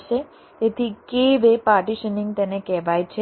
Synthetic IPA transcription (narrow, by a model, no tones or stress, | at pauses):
ʃe | t̪et̪ʰikeʋepaːɾʈiʃənĩŋɡ̚t̪ɛnekɛɦʋajt͡ʃʰe